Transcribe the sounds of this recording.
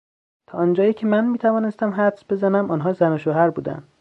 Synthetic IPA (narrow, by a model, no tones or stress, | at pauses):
t̪ʰɒːnd͡ʒɒːjiːcʰe̞mænmiːt̪ʰævɒːne̞st̪æmɦæt̪sbe̞zænæmʔɒːnɦɒːzænoʃoɦæɾbuːd̪æ̰nd̪̥